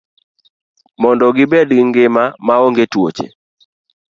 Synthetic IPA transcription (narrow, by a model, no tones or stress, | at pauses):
mɔndɔɡɪbɛdɡɪŋɡɪmamaoŋɡetwo̰t͡ʃḛ